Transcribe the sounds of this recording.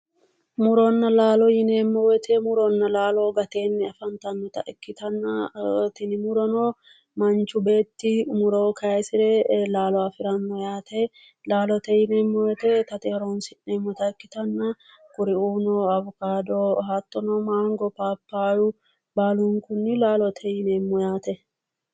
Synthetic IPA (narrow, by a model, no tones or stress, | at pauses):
mʊɾɔnːɐlaːlɔjɪneːmːɔwɛt̪ʰɛmʊɾɔnːɐlaːlɔɡɐt̪e̞ːnːɛɐfɐnt̪ɐnːɔt̪ɐ̰ʔɛkːɪt̪ɐnːɐt̪ɪnɪmʊɾɔno | mɐnt͡ʃːʊbe̞ːt̪ːɪmʊɾoːkʰɐjɐjsɪɾɛlaːlɔwafɪɾɐnːɔjaːt̪ɛ | laːlɔt̪ɛjɪnemːɔjɛt̪ɛt̪ɐt̪eɾonsɪnemːɔt̪ɐɛkːɪt̪ɐnːɐ | kʊɾɪuːnɔɐβʊkaːd̪oɦat̪ːɔnɔmaːŋɡɔpaːpːaːjʊ | baːlʊŋkʊnːɪlaːlɔt̪ʰɛjɪneːmːɔjaːt̪ɛ